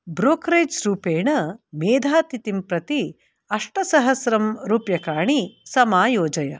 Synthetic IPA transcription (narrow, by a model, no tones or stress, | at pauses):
bɾoːkɾeːd͡ʒɾuːpeːɳɐmeːd̪ʱaːt̪it̪impɾɐt̪i | ɐʂʈɐsɐɦɐsɾɐmɾuːpjɐkaːɳisɐmaːjoːd͡ʒɐjɐ̰